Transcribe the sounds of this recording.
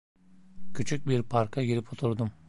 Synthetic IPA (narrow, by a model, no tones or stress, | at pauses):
cʲʰyt͡ʃʰyc̚ʲbiɾpʰaɾkʰaɡiɾipʰot̪ʰuɾd̪um